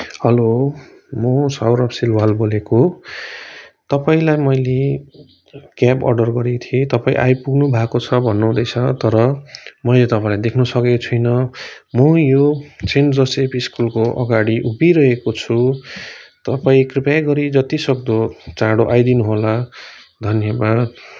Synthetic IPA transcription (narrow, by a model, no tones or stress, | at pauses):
hʌlo | mʌsawɾʌpsilwalboleko | t̪ʌpaĩlajmʌjle | kjapʌ̰rɖʌrɡʌɾit̪ʰiet̪ʌpaḭ̃ʔa̰jpuɡnubʱakot͡sʰʌbʱʌnːoɦũd̪ʌjt͡sʰʌt̪ʌɾʌmʌjlet̪ʌpãĩlajd̪ekʰnusʌkekot͡sʰʌjnʌ | mʌjot͡send͡zʌsepiskulkoʔʌɡaɽiʔupiɾʌɦekot͡sʰu | t̪ʌpaĩkripjaɡʌɾid͡zʌt̪isʌkd̪ot͡saɽoʔajd̪inuɦola | d̪ʱʌnjʌbad̪